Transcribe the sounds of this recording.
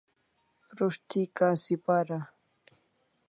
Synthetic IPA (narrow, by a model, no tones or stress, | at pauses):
pɾʊʃt̪ɪkasɪpaɾa